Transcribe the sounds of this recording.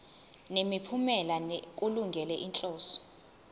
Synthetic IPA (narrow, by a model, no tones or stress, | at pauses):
nemipʰumɛlank̬ʼuluŋɡʱɛlɛʔint͡ɬʼɔːsɔ̥